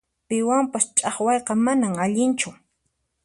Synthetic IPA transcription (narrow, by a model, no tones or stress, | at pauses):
pɪwampast͡ʃʼɑχwɑjqɑmanaŋaʎɪnt͡ʃʊ